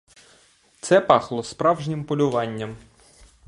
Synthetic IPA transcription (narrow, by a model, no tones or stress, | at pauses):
t̪sɛpɑxlˠɔspɾɑwʒnʲɪmpɔlʲʊʋɑnʲːɐm